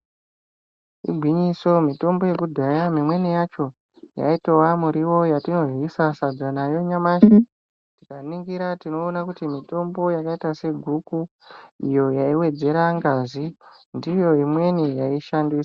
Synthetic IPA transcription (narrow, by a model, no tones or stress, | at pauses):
ḭbʱwiɲiso̞mito̞mbo̞je̞kudʱajamimwenijat͡ʃo̞ | ja̰itowamuɾiwo̞jatino̞ʐwisasad͡zanajo̞ɲamaːʃa | tikaniŋɡiɾatino̞ːnakutimito̞mbo̞jakaitase̞ɡʱuku | ḭjo̞jaiwe̞d͡ze̞ɾaŋɡazi | ndijo̞imwe̞nijaiʃandisḁ